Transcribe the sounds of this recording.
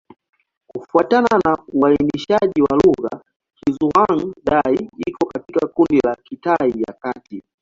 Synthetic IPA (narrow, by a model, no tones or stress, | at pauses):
kufuatananauainiʃaʄiwaluɣa̰ | hizuwaŋ̩ɗaiikɔkatikakundilakitaija̰kati